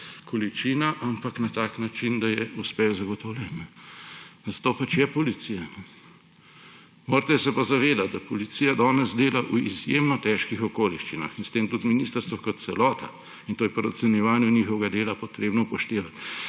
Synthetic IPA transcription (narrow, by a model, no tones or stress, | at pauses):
kʰɔlit͡ʃinaʔampaknat̪aːknat͡ʃind̪ajɛuspɛwzɐɡɔt̪ɔwlʲjɛnːɛ | zat̪oːpat͡ʃjɛpɔlit̪sijanɛ | moːɾt̪ɛsɛpazaʋeːd̪at̪̚d̪ɐpɔlit̪sijad̪ɔːnɛzd̪eːlaʔuḭzjeːmnɔt̪ɛːʃkixɔkoːliʃt͡ʃina̰xinst̪eːmt̪ut̪minist̪əɾst̪ʋɔkɔt̪̚t̪sɛlɔːt̪ʰa̰ | int̪oːjɛpɔɾasunjɛʋaːnjɛnixɔʋɛɡad̪eːlapɔt̪ɾeːbnɔpɔʃt̪eːʋat̪